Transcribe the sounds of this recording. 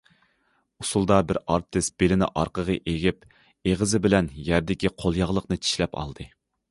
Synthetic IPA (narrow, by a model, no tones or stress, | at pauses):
usulˠd̪ɑbɪɾɑɾt̪ʰːɪsb̥elɪnɪ̰ʔɑɾqəʁəʔeɡʲɪp | eʁəzɪbɪlɛnjæɾd̪ɪkʲiqʰolˠjɑʁlˠəqnɨt͡ʃʰi̥ʃlɛpɑ̰lˠd̪ɨ